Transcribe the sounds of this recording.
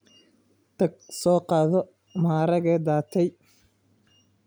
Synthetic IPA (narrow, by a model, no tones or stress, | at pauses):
t̪ʰɐɡsɔːqɑːðɔ | maːɾɐɣɛd̪aːt̪ʰɛj